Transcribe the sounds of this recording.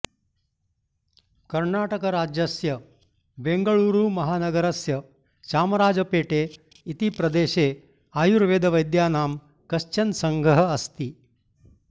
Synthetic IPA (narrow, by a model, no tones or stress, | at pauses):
kɐɾɳaːʈɐkɐɾaːd͡ʒjɐsjɐ | beŋɡɐɭuːɾuːmɐɦaːnɐɡɐɾɐsjɐ | ʃaːmɐɾaːd͡ʒɐpeːʈeː | it̪ipɾɐd̪eːʃeː | aːjuɾʋeːd̪ɐʋɐjd̪jaːnaːm | kɐʃt͡ʃɐnsɐŋɡʱɐɦɐɐst̪i